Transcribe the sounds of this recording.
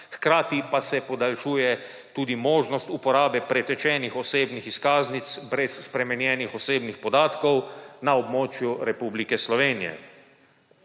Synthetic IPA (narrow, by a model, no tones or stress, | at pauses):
xkɾaːt̪ipasɛpɔd̪alʃuːjɛ | t̪uːd̪imoːʒnɔst̪upɔɾaːbɛpɾɛt̪ɛt͡ʃɛːnixɔseːbnixiskaːznit̪sbɾɛsːpɾɛmɛnjɛːnixɔseːbnixpɔd̪aːt̪kɔwnaɔbmoːt͡ʃjuɾɛpublikɛslɔʋeːnijɛ̰